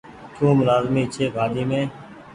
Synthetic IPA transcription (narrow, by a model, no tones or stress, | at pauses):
t͡ʃʰũːmʊlaːzmĩːt͡ʃʰeːɡaːd̪iːmẽː